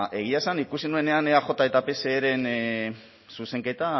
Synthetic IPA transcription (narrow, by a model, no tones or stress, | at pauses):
ʔe̞ɣ̞iaesanikusinue̞ne̞aneaʝo̞t̪ae̞t̪ape̞se̞ːɾe̞n | suse̞ŋke̞t̪a